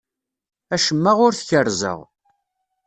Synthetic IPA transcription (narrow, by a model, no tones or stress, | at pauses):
æʃəmːəʁʊɾθçəɾzə̰ʁ